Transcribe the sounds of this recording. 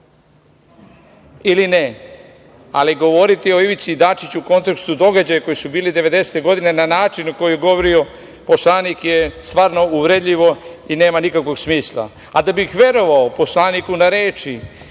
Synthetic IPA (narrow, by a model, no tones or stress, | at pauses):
iline | a̰liɡo̞ʋo̞ɾit̪io̞iʋit̪siːd̪aːt͡ʃit͡ɕuːko̞nt̪ekst̪ud̪o̞ɡad͡ʑajako̞jisubiːlid̪e̞ʋe̞d̪ese̥t̪e̞ɡo̞d̪ine̞nanaːt͡ʃinako̞jijeɡo̞ʋoɾio̞ | po̞slˠaːnikjest̪ʋaːɾno̞uʋɾed̪ʎiʋo̞ine̞ːmanikakʋo̞ɡsmiːslˠa̰ | ad̪abixʋe̞ɾo̞ʋaopo̞slˠaːnikunaɾeːt͡ʃi